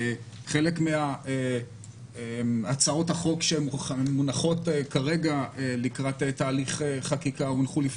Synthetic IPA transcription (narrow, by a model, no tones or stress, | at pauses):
χe̞lekmeae | emat͡sao̞thaχo̞kʃeːunaχo̞tekaʁe̞ɡaelikʁat̪etaːliχeχakikaumunχulif